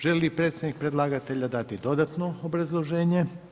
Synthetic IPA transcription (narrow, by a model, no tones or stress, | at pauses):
ʒelipɾet̪sʲed̪nik̚pɾe̞d̪lˠaːɡat̪e̞ʎad̪at̪id̪o̞d̪at̪noobɾazlˠo̞ʒe̞ːɲe̞